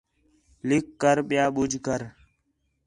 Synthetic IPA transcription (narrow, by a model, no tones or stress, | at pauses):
lɪkːəɾɓɪjaːɓʊd͡ʒʱkəɾ